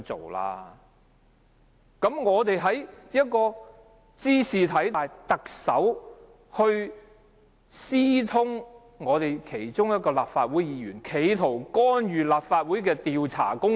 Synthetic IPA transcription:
t͡so̰˨˩wla̰ː˧ | kɐ˨˥mŋɔː˨˧t̪e˨jɦɐ˨˥jjɐ˥t̚kɔː˧ | t͡siː˥siː˨t̪ʰɐ˨˥jjt̪ɐ˨k̚sɐ˨˥w | hɵ˧ɥ | siː˥t̪ʰʊ˥ŋ | ŋɔː˨˧t̪e˨jkʰe˨˩jt͡ʃʊ˥ŋjɐ˥t̚kɔː˧la̰ː˨p̚faː˧t̚wuː˨˥jjiː˨˧ɥyː˨˩nkʰe˨˧jt̪ʰo˨˩wkɔː˥nɥyː˨laː˨p̚faː˧t̚wu˨˥jkɛː˧t̪iː˨wt͡sʰa̰ː˨˩kʊ˥ŋ

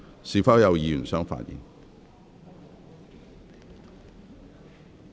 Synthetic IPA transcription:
siː˨fɐː˥wjɐ˨˧wjiː˨˧jy˨˩nsœː˥ŋfa̰ː˧t̚jḭː˨˩n

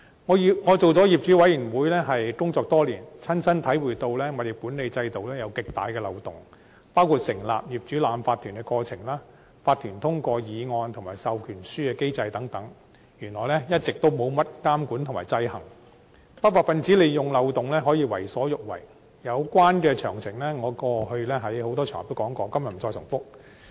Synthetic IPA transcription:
ŋɔː˨˧ji˨ŋɔː˨˧t͡so˨wt͡sɔː˨˥jiː˨p̚t͡ʃyː˨˥wɐ˨˥jiː˨˩nwuː˨˧jlɛː˥ɦɐ˨jkʊ˥ŋt͡sɔː˧k̚t̪ɔː˥liː˨˩nt͡sʰɐ˥nsɐ˥nt̪ʰɐ˨˥jwuː˨˩jt̪o˧wlɛː˥ŋɔː˨˧d̪e˨˩puː˨˥ne˨˧jt͡sɐ˧jt̪o˨wlɛː˥jɐ˨˧wkɪ˨k̚t̪a̰ː˨˧jkɛː˧lɐ˨˧wt̪ʊ˨˩ŋ | paː˥wkʰuː˧˩t̚sɪ˨˩ŋla̰ː˨p̚jiː˨p̚t͡ʃyː˨˥laː˨˧mfaː˧t̪ʰːyː˨˩nkɛ˧kɔː˧t͡sʰɪ˨˩ŋlaː˥ | faː˧t̪ʰyː˨˩nt̪ʰʊ˥ŋkʷɔː˧jiː˨˧ŋɔː˧nt̪ʰʊ˨˩ŋmaː˨˩jsɐ˨wkʰyː˨˩nsyː˥kɛː˧ke˥jt͡sɐ˧jt̪ɐ˨˥ŋt̪ɐ˨˥ŋ | jyː˨˩nlɔː˨˩jlɛ˥jɐ˥t̚t͡sɪ˨k̚t̪o˥wmo˨˧wmɐ˥t̚kaː˥mkuː˨˥nt̪ʰʊ˨˩maː˨˩jt͡sɐ˧jhɐ˨˩ŋ | pɐ˥t̚waː˨˩tfɐ˨nt͡siː˨˥le˨jjʊ˨˩ŋlɐ˨˧wt̪ʊ˨ŋlɛː˥ɦɔː˨˥jiː˧wɐ˨˩jsɔː˨˥jʊ˨˩k̚wɐ̰˨˩j | jɐ˨˧wkʷaː˥nkɛː˧t͡ʃʰœː˨˩ŋt͡sʰɪ˨˩ŋlɛ˥ŋɔː˨˧kɔː˧hɵ˧ɥlɛː˥ɦɐ˨˥jho˨˥wt̪ɔː˥t͡ʃʰœ̰ː˨˩˨t̪o˥kɔː˨˥ŋkɔː˧kɐ˥mjɐ˨tm̩˨˩t͡ʃɔː˧sʊ˨˩ŋfʊ˥k̚

